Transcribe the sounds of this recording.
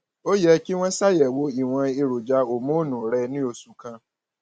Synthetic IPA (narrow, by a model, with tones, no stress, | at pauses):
o˦jɛ˧ki˦w̃ɔ̃˦sa˦˨jɛ˨wo˧˦i˨w̃ã˧i˧ɾo˨d͡ʒa˨˦o˨mũ˦nũ˨ɾɛ˧nĩ˦o˧su˨kã˧